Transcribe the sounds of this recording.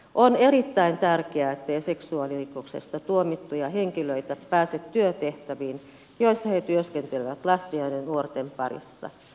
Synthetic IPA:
ʔoneɾit̪ːæint̪ærkeæet̪ːeiseksuɑlirikoksḛst̪ɑt̪uomit̪ːujɑheŋkiløit̪æpæːset̪tyøt̪eht̪æʋiːn | joisːɑhet̪yøskent̪eliʋæt̪lɑst̪iɑinennuort̪empɑrḭsːɑ̰

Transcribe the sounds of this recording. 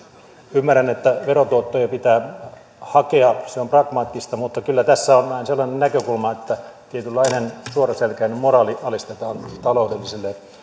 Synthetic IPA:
ymːærænet̪ːæʋerot̪uot̪ːojɑpit̪æː | hɑkeɑseomprɑkmɑːt̪ːist̪ɑmut̪ːɑkylːæt̪æsːæonnɑinselːɑnennækøkulmɑet̪ːæt̪iet̪ylːɑinensuorɑselkæinːemmorɑːliʔɑlist̪et̪ɑːnt̪ɑloudelːiselːe

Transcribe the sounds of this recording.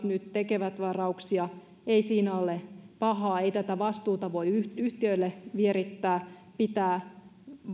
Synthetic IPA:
t̪nyt̪t̪ekeʋæt̪ʋɑrɑuksiɑ | eisiːnæolepɑɦɑːeit̪æt̪æʋɑst̪uːt̪ɑʋoiyyht̪iøilːeʋieɾit̪ːæː | pit̪æː

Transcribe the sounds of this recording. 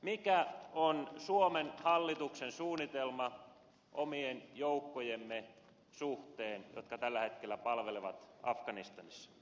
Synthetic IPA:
mikæonsuomenhɑlːit̪uksensuːnːit̪elmɑ | ʔomienjoukːojemːe | suht̪eːnjo̰t̪kɑt̪ælːæhet̪kelːˑæpɑlʋeleʋɑt̪ɑ̰fkɑnist̪ɑnisːɑ̥

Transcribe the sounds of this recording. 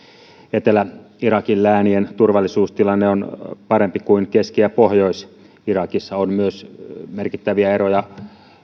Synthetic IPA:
et̪elæ | irɑkilːæːnient̪urʋɑlːisuːst̪ilɑnːeonpɑɾempikuinkeskiæpohjo̞is | irɑkisːɑonmyøsmerkit̪ːæʋiæeɾojɑ

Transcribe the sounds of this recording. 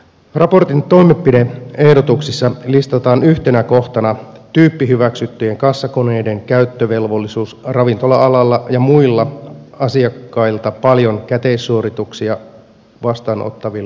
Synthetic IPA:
rɑpo̞rt̪int̪o̞jmepːidee̞hdo̞t̪uksisːɑlist̪ɑt̪ɑːnyht̪enæko̞ht̪ɑnɑ | t̪yːpːiɦyʋæksyt̪ːyje̞ŋkɑsːɑkone̞jde̞ŋkæyt̪ːøʋe̞lʋo̞lːisuːsrɑʋint̪o̞lɑɑlɑlːɑjɑmuilːɑɑsiɑkːɑilt̪ɑpɑljo̞ŋkæt̪e̞isːuoɾit̪uksiɑ | ʋɑst̪ɑːnʔo̰t̪ːɑʋilːɑ

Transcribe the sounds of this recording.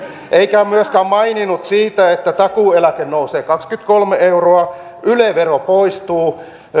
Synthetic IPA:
ʔeikæmyøskæmɑininut̪siːt̪æet̪ːæt̪ɑkuˑelækennouseːkɑkskyt̪kolmeeuroɑ | ʔyleʋeropoist̪uː

